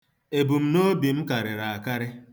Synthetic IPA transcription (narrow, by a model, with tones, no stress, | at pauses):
e˨bu˨m̩˦no˦bi˨m̩˦ka˨ɾɪ˨ɾa˨a˨ka˦ɾɪ˦